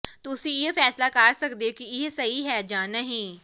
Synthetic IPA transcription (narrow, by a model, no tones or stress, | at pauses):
t̪ʊsijefɛːslakaːɾsɐkd̪ekijesɐɦiɦɛd͡ʒaːnɐɦĩ